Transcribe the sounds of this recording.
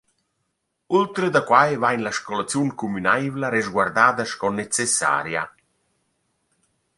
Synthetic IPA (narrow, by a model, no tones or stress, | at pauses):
ult̪ɾed̪akwajvajnlaʃkɔlat͡sjuŋkumynajvlaɾezɡward̪aːd̪aʃkɔnːet͡sesːa̰ːɾja̰